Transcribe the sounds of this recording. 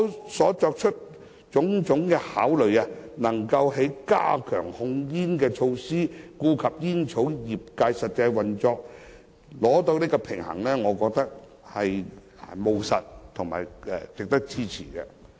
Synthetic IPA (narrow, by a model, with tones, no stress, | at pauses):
sɔː˨˥t͡sɔː˧k̚t͡ʃʰɵ˥t̚ | t͡sʊ˨˥ŋt͡sʊ˨˥ŋkɛː˧haː˨˥wlɵ˨ɥɐ˧nɐ˨˩ŋkɐ˧wɦe˨˥jka̰ː˥kʰœ̰ː˨˩ŋhʊ˧ŋjiː˥nkɛː˧t͡ʃʰo˧wsiː˥kuː˧kʰɐ˨p̚jiː˥nt͡ʃʰo˨˥wjiː˨˩p̚kaː˧jsɐ˨t̚t͡sa˧jwɐ˨˩nt͡sɔː˧k̚ | lɔː˨˥t̪o˧wniː˥kɔː˧pʰɪ˨˩ŋhɐ̰˨˩ŋlɛː˥ŋɔː˨˧kɔː˧k̚t̪ɐ˥k̚ | hɐ˨j | mo˨wsɐ̰˨t̚t̪ʰʊ˨˩ŋma̰ː˨˩jɛ̰˨t͡sɪ˨k̚t̪ɐ˥k̚t͡siː˥t͡sʰḭː˨˩kɛ̰˧